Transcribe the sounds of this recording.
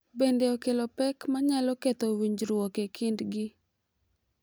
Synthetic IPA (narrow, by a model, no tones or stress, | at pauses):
bendeokelɔpɛkmaɲalɔket̪owiɲd͡ʒɾwokekʰɪndɡɪ